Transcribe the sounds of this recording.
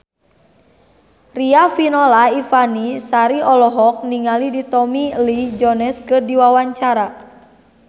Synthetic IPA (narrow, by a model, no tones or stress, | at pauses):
riafinɔlaifanisaɾiɔlɔɦɔk̚niŋalidit̪ɔmilid͡ʒɔnɛskɨrdiwawaɲt͡ʃaɾa